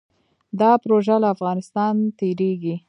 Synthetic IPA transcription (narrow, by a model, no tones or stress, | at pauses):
d̪ɑpɾoʒalaːfɣɑnɪst̪ɑnt̪eɾeɡi